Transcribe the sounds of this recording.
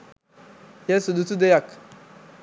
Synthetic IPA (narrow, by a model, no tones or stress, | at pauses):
jɛsudutudejak